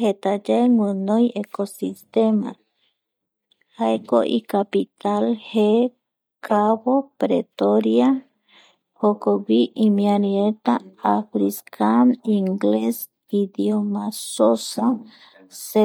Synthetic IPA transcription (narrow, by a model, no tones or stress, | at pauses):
het̪ad͡ʒeŋwɨnojekosist̪ema̰ | haeko̰ʔḭkapit̪alhe | kʰaβopɾet̪oɾja | hokowiʔimĩaɾiet̪aafɾiskʰaniŋɡles | id̪jomasosa | se